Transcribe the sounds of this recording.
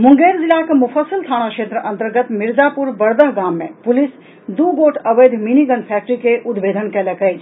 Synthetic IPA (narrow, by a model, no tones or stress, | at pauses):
muŋɡeɾd͡ʒilakemufʰəsəlt̪ʰanakʃet̪ɾəʔənt̪əɾɡət̪miɾd͡ʒapuɾbəɾd̪əɦɡamːepulis | d̪uɡoʈʰəbəjd̪ʱminiɡənpʰɛk̚ʈɾikeʔud̪bed̪ʱənkɛləkəjt͡ʃʰ